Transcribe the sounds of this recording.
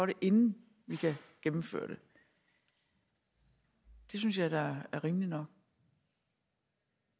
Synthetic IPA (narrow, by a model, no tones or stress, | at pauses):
ɒɾ̥e̝ʔe̝nn̩ | ʋikʰæɡ̥emm̩fø̰ːɐ̰d̥e̝ | d̥e̝synsjɑ̈ɪd̥ɑ̈æɐʁiːmlinɒ̽ɡ̥̚